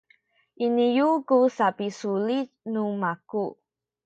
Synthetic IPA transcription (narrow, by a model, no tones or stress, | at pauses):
ʔinijukusapisulitnumaku